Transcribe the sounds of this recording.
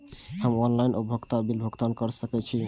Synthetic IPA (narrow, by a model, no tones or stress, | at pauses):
həmɔnlajnʔobʱoɡt̪abilbʱoɡt̪ankɔɾsəkɛt͡ʃʰi